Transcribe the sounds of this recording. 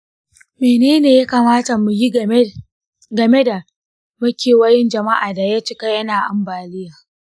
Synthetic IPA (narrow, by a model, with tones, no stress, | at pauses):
meː˨neː˦neː˨ja˦kaː˨maː˦ta˨mu˨ji˦ | ɡɐ˨me˦da˨ | mɐ˦kʲeː˨wɐ˦jɪ˦nd͡ʒɐ˨ma˦ʔaː˨da˨ja˦t͡ʃɪ˦ka˦jɐ˦naː˨ʔa˨mbaː˨lɪ˦jaː˨